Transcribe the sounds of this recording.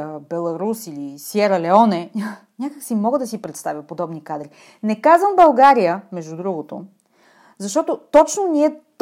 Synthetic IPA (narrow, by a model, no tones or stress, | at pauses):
bɛlˠɐɾusilisjɛɾɐlɛɔnɛ | nʲakəksimɔɡəd̪ɐsipɾɛt̪st̪avjəpod̪ɔbnikad̪ɾi | nɛkazvəmbɐlˠɡaɾijəmɛʒd̪ud̪ɾuɡot̪o̰ | zɐʃt̪ɔt̪ot̪ɔt͡ʃnoniɛt̪